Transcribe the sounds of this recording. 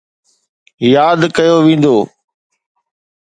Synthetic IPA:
jaːd̪kɐjoʋĩːnd̪oː

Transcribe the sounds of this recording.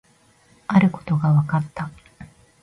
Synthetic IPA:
aɾɯ̟ko̞̥t̪o̞ɡaβakat̪ːa

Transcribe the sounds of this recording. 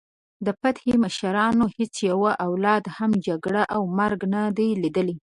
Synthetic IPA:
d̪əpat̪xemaʃaɾɑnohet͡sjawaʔawlɑd̪hamd͡ʒaɡɽaʔawmaɾɡnad̪ajlid̪əli

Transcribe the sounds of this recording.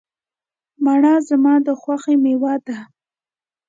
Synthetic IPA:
maɳɑzamɑd̪əxwaxemewad̪a

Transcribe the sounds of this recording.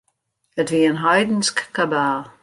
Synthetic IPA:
ətviənɦajdn̩skkabaːlˠ

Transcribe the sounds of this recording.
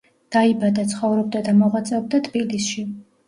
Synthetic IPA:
d̪̥aibad̪at̪sʰχɔvɾɔb̚d̪ad̪amɔʁat̪sʼɛɔb̚d̪at̪ʼbilisʃi

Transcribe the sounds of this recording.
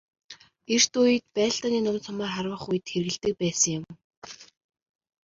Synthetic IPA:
er̥t̪ʊjɘ̆t̪̚pæːɬt̪aːniːnʊwnt͡sʰɔmaːχarwə̆χujɘ̆t̪xerɣɘ̆ɮt̪ɘ̆k̚pæːsə̆ŋjʊ̆m

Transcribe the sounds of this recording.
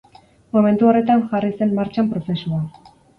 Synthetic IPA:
mome̞nt̪uo̞re̞t̪anʝarise̞mmaɾt͡ʃampɾo̞fe̞sua

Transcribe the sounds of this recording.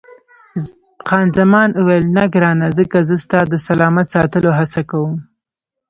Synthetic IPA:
xɑnzamɑnuwelnaɡɾɑnazəkazəst̪ɑd̪əsalɑmat̪sɑt̪əloɦasakawəm

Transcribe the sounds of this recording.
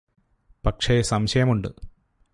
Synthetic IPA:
pɐkʂesɐmɕɐjɐmuɳɖɨ

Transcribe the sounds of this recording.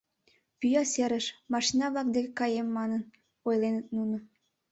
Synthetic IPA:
pyjɑseɾəʃmɑʃinɑβlˠɑk̚d̪ekekɑjemːɑnən | ojlenət̪nunə̆

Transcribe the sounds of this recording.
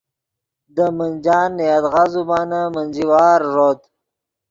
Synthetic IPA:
d̪əmənd͡ʒɑːnjad̪ɣazubɑːnamənziwɑːɾːod̪

